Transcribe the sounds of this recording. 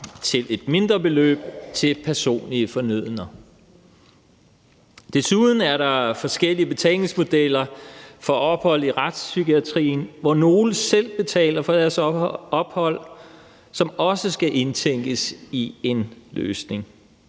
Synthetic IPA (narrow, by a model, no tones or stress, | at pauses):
t͡sʰe̝le̝d̥̚me̝nd̥ʁɐb̥e̝lø̰ːb̥̚t͡sʰe̝lpʰæɐso̝̰ːnliəfɒ̽nyð̞̰ˠənɐ | d̥e̝suðˠn̩æɐɾɑ̈fɒ̽sɡ̥el̰iəb̥e̝t͡sʰɛ̰le̝ŋsmo̝d̥el̰ɐfɒ̽ʔɒ̽b̥hɒ̽l̰iʁad̥sːyɡ̥iæt͡sʰʁḭːn̩ʋɒno̝ːləsel̰b̥e̝t͡sʰɛ̰ːlɐfɒ̽d̥æɐsɒ̽b̥hɒ̽l̰ | sɒ̽mɒ̽səsɡ̥æʔe̝nt͡sʰeŋ̰ɡ̥əsie̝nlø̰ːsne̝ŋ